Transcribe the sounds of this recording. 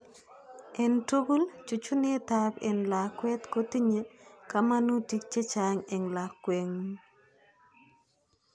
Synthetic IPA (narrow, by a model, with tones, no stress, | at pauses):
ɛ˨nto˦ɡu˦lt͡ʃu˨t͡ʃu˦ni˦tabɛ˨nla˨kwɛ˦t̪koti˦ɲeka˦ma˦nu˦ti˦k̚t͡ʃe˦t͡ʃa˨ŋɛ˨ŋla˨kːwe˨ŋ